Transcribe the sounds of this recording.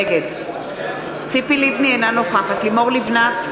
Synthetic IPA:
ɡed̪ | t͡sipilivnienanoχaχatlimoʁlivnat

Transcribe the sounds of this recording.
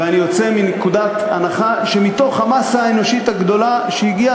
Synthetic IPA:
veanijo̞t͡se̞minekud̪at̪a̰naχaʃemit̪o̞χhamasaːeno̞ʃit̪haɡd̪o̞laʃeiɡia

